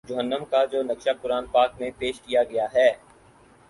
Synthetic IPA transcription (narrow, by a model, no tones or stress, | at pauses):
d͡ʒʊɦənːəmkad͡ʒoːnɐkʃapʊɾaːnpaːkmẽpeːʃkijaɡɐjaɦɛː